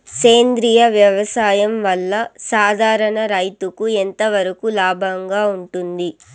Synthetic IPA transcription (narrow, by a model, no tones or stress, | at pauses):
keːnd̪ɾijɐʋjɐʋɐsaːjɐmʋɐlːɐsaːd̪ʱaːɾɐɳɐɾɐjt̪ukuent̪ɐʋɐɾɐkulaːbʱɐŋɡaːuɳʈund̪i